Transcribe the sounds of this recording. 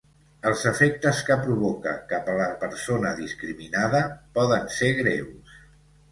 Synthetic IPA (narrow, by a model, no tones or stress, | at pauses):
əlˠzəfek̚t̪əskəpɾuβɔkə̰kapələpəɾsonəðiskɾiminaðəpɔðənseɣ̞ɾews